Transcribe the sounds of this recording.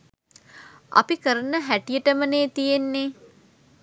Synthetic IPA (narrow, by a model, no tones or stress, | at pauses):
a̰pikəɾənəɦæʈijəʈəməneːt̪ijenːe